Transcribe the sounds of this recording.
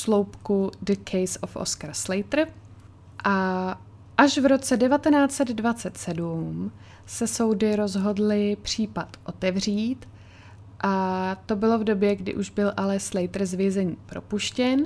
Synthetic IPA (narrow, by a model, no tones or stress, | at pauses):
slowpkudəkʰɛjso̰fʔo̰skaɾslɛjt̪r̩ | ʔa | ʔaʃvɾo̞t͡sɛdɛvat̪ɛnaːt͡sɛd̪dvat͡sɛt̪sɛdum | sɛso̞wdɪɾo̞zɦo̞dlɪpr̝̥iːpat̪ʔo̞t̪ɛvr̝iːt̪ | ʔat̪o̞bɪlo̞vdo̞bjɛɡdɪ̰ʔuʒbɪlʔalɛslɛjt̪r̩zvjɛzɛɲiːpɾo̞puʃcɛn